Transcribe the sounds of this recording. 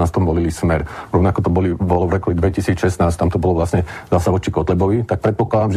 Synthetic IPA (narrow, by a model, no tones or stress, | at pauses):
ast̪ɔmʋɔlilismɛɾɾɔʋnakɔt̪ɔbɔlibɔlɔvɾɔkud̪ʋɛcisiːt͡sʃɛsnaːst̪amt̪ɔbɔlɔʋlasɲɛzasaʋɔt͡ʃikɔt̪lɛbɔʋit̪ak̚pɾɛt̪̚pɔklad̪amʒ